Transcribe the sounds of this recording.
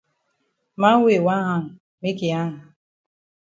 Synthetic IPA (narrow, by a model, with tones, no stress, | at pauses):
ma˦we˨wa˦ɦa˦ŋ̩˨ | me˦ki˨a˦ɦa˨